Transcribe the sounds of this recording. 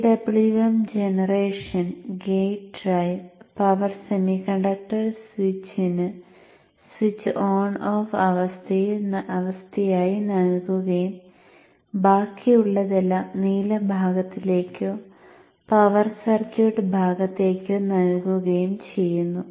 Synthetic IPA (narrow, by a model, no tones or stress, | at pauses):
ɖɐbɭiɣɐmd͡ʑenɐreːʂɐnɡejʈrɐjpɐʋɐrsemikɐɳɖɐk̚ʈɐrsʋit͡ɕːinɨ | swit͡ɕːʔoːnoːfɐʋɐst̪ʰejnʔɐʋɐst̪ʰɐjaːjinɐɻɡuɣɐjum | baːkːijuɭːɐðelːɐniːlɐbʱaːɡɐt̪ːile̞ːkʲːo | pɐʋɐrsɐrkuʈɨbʱaːɡɐt̪ːe̞ːkʲːɨnɐɻɡuɣɐjumt͡ɕe̞jːunːu